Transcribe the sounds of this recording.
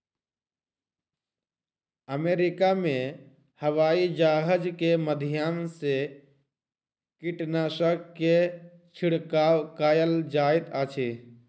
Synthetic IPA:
əmeːɾɪkamẽ | həwaːid͡ʒaːɦəd͡ʒkeməd̪ʱijaːmse | kɪʈnaːsəkkːe | t͡ʃʰɪɽkaːwkaːjəld͡ʒaːɪt̪aːt͡ʃʰe

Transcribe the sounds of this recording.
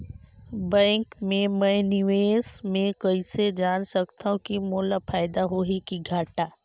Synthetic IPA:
bɛ̃ːŋkmẽmɛjniʋeːsmẽkɐised͡ʒaːnsɐkt̪aɦũkimoːlapʰaːjɪd̪aɦoɦikiɡʱaːʈaː

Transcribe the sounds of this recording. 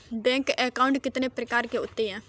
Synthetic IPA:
ɖɛ̃ːŋkɛːkaːʊ̃ɳʈkɪt̪nẽːpɾəkaːɾkeːʊt̪ːẽːɦɛ̃ː

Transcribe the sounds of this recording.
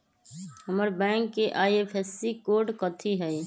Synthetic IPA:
ʊməɾbɛ̃ːŋkːeʔaːiepʰɛsːikoːɾɖkɔt̪ʰiɦɛː

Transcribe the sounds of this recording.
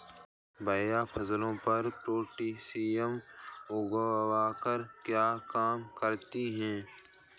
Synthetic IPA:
bɐjapʰɐzlõpɐɾʈoːʈisiəmʊɡəwaːkəɾkjaːkaːmkɐɾt̪iɦɛ̃ː

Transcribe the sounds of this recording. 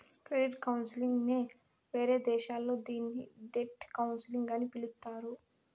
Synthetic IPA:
kɾeɖiʈkɐwnsiliŋɡneː | ʋeːɾe̞ːd̪ɛːʃaːlːo̞ːd̪iːnːiɖeʈkɐwnsiliŋɡɡaːnipilut̪ːaːɾu

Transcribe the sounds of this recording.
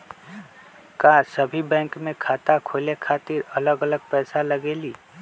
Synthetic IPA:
kaːsəbʱibɛ̃ːŋkmẽkʰaːt̪akʰoːlekʰaːt̪iɾɐləɡələɡ̚pɛːsaləɡeːliː

